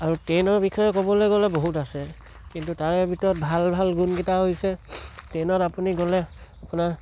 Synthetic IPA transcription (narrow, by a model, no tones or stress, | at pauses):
aɹutenɔɹbixɔjɔkobɔlojɡɔlɛboɦutasɛ | kintutaɹɛbʱitɔɹɔt̚bʱalbʱalɡunkitaɦojsɛtenɔtapuniɡɔlɛapunaɹ